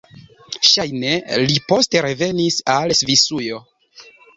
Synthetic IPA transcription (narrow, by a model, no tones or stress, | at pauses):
ʃajne̞lipo̞ste̞ɾe̞ve̞nisalsvisujo̞